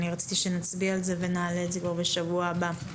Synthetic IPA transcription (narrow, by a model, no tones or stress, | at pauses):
niʁat͡si̥t̪iʃe̞nat͡sbialze̞ve̞naːletzekvaʁbe̞ʃavuaːba